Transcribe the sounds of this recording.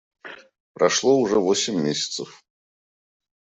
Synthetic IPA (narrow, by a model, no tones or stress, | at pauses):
pɾɐʂlˠoʊʐɛvosʲɪmʲːesʲɪ̥t̪səf